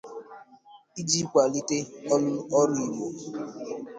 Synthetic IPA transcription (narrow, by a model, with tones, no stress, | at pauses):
i˦d͡ʒi˦kʷa˨li˦te˦ɔ˦nʊ˦ɔ˦ɾi˨mo˨